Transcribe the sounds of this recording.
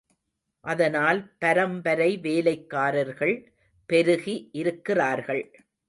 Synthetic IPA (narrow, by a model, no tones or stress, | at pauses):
ʔɐðɐnaːlpɐɾɐmbɐɾɐɪʋeːlɐɪkːaːɾɐɾɣɐɭ | pɛɾɯɣiʔɪɾɯkːɪraːɾɣɐɭ